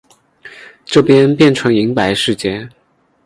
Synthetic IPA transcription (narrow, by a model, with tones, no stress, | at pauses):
ʈ͡ʂɤ˥˩pjɛ˥npjɛ˥˩nʈ͡ʂʰɤ˧˥ŋi˧˥ŋpa˧˥ɪʂɻ̩˥˧t͡ɕjɛ˥˩